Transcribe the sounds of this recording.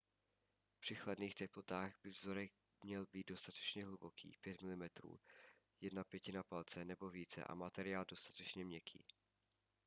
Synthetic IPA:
pr̥ɪxladniːxt̪ɛplot̪aːɣbɪvzo̞ɾɛɣ | mɲɛlbiːd̪do̞st̪at̪ɛ̥t͡ʃɲɛɦlubokʰḭːpjɛt̪mɪlɪmɛt̪ɾṵː | jɛdnapjɛcɪnapalt͡sɛnɛbo̞viːt͡sɛ̰ʔa̰mat̪ɛɾɪaːldo̞st̪ḁt̪ɛt͡ʃɲɛmɲɛkʰḭː

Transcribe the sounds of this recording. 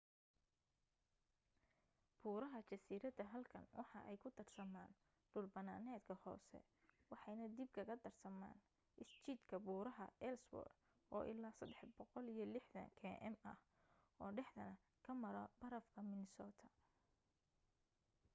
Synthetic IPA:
b̥uːɾɐɦɐt͡ʃɐsiːɾɐd̪ɐɦɐlkʰɐ̰nwʔɑħɑ̰ʔɛjkʰʊd̪ɐrsɐma̰ːn | ɖʊlbɐnaːnɛːd̪kʰɐhɔ̰ːsɛ̰ | wɑħɑjnɐd̪ib̚kʰɐɣɐd̪ɐrsɐma̰ːn | ʔɪst͡ʃid̪kʰɐbuːɾɐɦɐɛlsbɔ̰ːr | ʔɔːʔɪ̰laːsɐd̪ɛħbɔqɔlijɞlɪħðɐ̰ŋkʰɛːʔɛmɐ̰h | ɔːɖɛħd̪ɐnɐ | kʰɐmɐɾɔb̥ɐɾɐfkʰɐmɪnɪsɔːt̪ʰɐ̥

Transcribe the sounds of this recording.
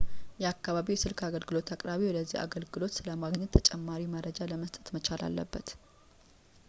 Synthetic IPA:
jɛakːaβaβijɛsɨlkʰaɡəlɡɨlo̞t̪ʰakʼɾaβiwɔd̪əzːḭha̰ɡəlɡɨlo̞t̪sɨləmaɡɲɛt̪ʰːət͡ʃʼɛmːaɾiməɾəd͡ʒaləməst̪ʼə̥t̪mət͡ʃʰala̰lːə̰bːət̪

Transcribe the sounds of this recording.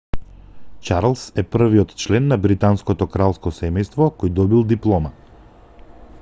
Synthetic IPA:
t͡ʃaɾlˠsɛpr̩viɔt̪t͡ʃlɛnːabɾit̪anskɔt̪ɔkɾalˠskɔsɛmɛjst̪vɔkɔjd̪ɔbilˠd̪iplˠɔma

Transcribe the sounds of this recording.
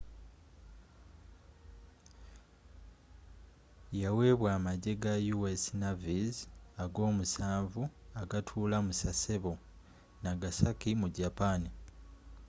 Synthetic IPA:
jawe̞ːβwaːmaɟe̞ɡajuwesinavizaɡo̞ːmusaːɱvuaɡatʰuːlamusaseβo | naɡasakimuɟapani

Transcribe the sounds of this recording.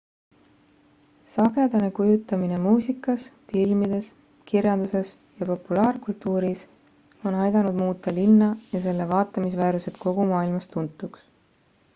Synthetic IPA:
sɑɡe̞d̪̥ɑne̞kujut̪ːˑɑmine̞muːsʲikːˑɑsfilmid̪̥e̞s | kirjɑnd̪̥use̞s | jɑpo̞pːulɑːɾkult̪ːˑuːɾis | o̞nɑjd̪ɑnud̪muːt̪ˑːɑlinːɑjɑse̞lːevɑːt̪ːˑɑmisvæːɾuse̞t̪ˑko̞ɡ̥umɑːilmɑst̪unt̪ːˑuks

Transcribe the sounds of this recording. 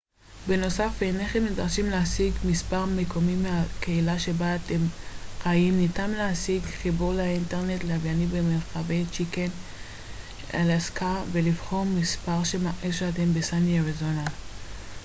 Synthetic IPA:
beno̞safeneχemnidʁaʃimleasiɡmispaʁmekʰo̞mimeakeilaʃe̞baːtemχaimnitamleasiɡχibuʁlainteʁne̞tleavjanibemeʁχavejt͡ʃiken | a̰laskʰavelivχo̞ʁmːispaʁʃemaʔeʃeatembesaniaʁezonal

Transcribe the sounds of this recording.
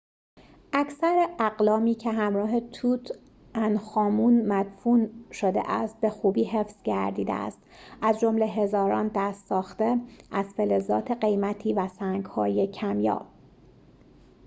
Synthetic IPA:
ʔæcsæɾeæɢlɒːmiːcʰeɦæmɾɒːɦe̞t̪ʰuːt̪ʰ | ʔænxɒːmunmæd̪̥funʃod̪ḛʔæst̪̚be̞xuːbiːɦe̞fz̥ɟæɾd̪iːd̪ḛæ̰st̪ʔæzd͡ʒo̞mle̞ɦe̞zɒːɾɒ̰ːnd̪æst̪sɒːxt̪e̞ʔæz̥felezɒ̰ːt̪ʰe̞ɢe̞jmæt̪ʰiːvæsæːŋɡhɒ̰ːje̞cʰæmjɒ̰ː

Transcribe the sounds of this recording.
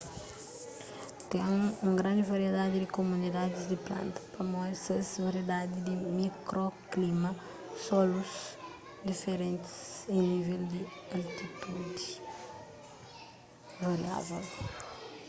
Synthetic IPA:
t̪ẽŋũŋɡɾɐ̃nd̪ɪvɐɾied̪ad̪ɪd̪ɪkomunid̪ad̪ɪzd̪ɪplɐ̰̃nt̪ɐ̥pɐmɔjsɐsvɐɾjed̪ad̪id̪ɪmikɾoklimɐ | sɔlus | d̪ifeɾẽnt̪ɪ̥sẽnivɛld̪ɪɐlt̪it̪ud̪i | vɐɾia̰vɛl

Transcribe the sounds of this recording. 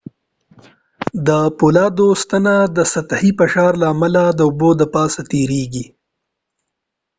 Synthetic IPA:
d̪əpulɑːd̪ost̪anad̪əsat̪ahipəʃɑɾlaːmalad̪əʊbod̪əpɑːsat̪eɾeɡi

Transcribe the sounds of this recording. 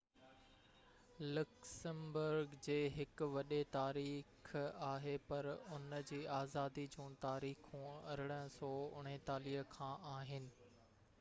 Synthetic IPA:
lʊksəmbʊɾɡd͡ʑeːɦɪkʋɐɗet̪aːɾiːxaːɦepɐɾʊnd͡ʑiːaːzaːd̪id͡ʑũːt̪aːɾiːxũːɐɾɪɽ̃sɔːʊɽ̤̃et̪aːliːəkʰãːʔaːɦɪnɪ̆

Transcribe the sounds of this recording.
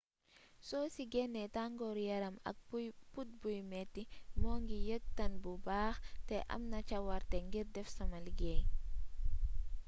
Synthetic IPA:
sɔsiɡɛnːɛtaŋɡɔɾjɐɾɐmɐ̰k̚put̚bujmɛtːimɔːŋɡijək̚tɐnbubaːxtɛʔɐ̰mnɐt͡ʃɐwɐɾtɛŋɡiɾdɛfsɐmɐlɡɛj

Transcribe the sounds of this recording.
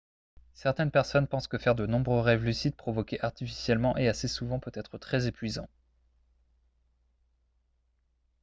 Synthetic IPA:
sɛʁt̪ɛnpɛʁsɔnpɑ̃skəfɛʁd̪ənɔ̃bʁøʁɛvlysid̪̚pχɔvɔkʲeʔaʁt̪ifi̥sjɛlmɑ̃ʔeasesuvɑ̃pøt̪ɛt̪χət̪χɛzepɥizɑ̃

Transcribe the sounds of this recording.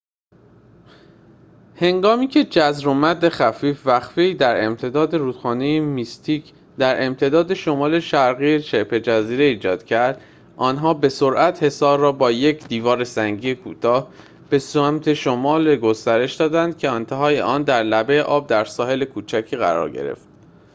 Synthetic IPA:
he̞ŋɡɒːmiːcʰe̞d͡ʒæzɾomæd̪e̞xæfiːfvæxfiiːd̪æɾe̞mt̪ʰe̞d̪ɒːd̪e̞ɾuːt̪χɒːnejemist̪ʰiːc | d̪æɾʔe̞mt̪ʰe̞d̪ɒːd̪e̞ʃo̞mɒːle̞ʃæɾɣiːet͡ʃe̞pʰe̞d͡ʒæziːɾe̞iːd͡ʒɒːd̪̥cʰæɾd̪̥ | ʔɒːnɦɒːbe̞so̞ɾʔæt̪he̞sɒːɾːɒːbɒːje̞cʰd̪iːvɒːɾe̞sæŋɟiːjekʰṵːt̪ʰɒːh | b̥e̞sæmt̪ʰe̞ʃomɒːleɡost̪æɾe̞ʃd̪ɒːd̪ænd̪̥̚cʰe̞ɒnt̪ʰeɦɒːjḛʔɒːnd̪æɾlæbe̞ːʔɒːb̚d̪æɾsɒːɦe̞le̞kʰuːt͡ʃʰæcʰiːɣæ̰ɾɒ̰ɾɟḛɾḛft̪̚

